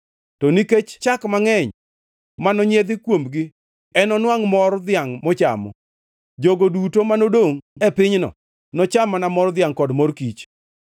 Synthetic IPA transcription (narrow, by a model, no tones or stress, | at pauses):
tɔniket͡ʃt͡ʃakmaŋɛɲ | manɔɲed̪ɪkwomɡɪ | ɛnɔnwaŋmɔrd̪ɪaŋmɔt͡ʃa̰mɔ̰ | d͡ʒoɡodutomanodoŋɛpɪɲnɔ̰ | nɔt͡ʃamanamɔrd̪ɪaŋkɔdmɔrkit͡ʃ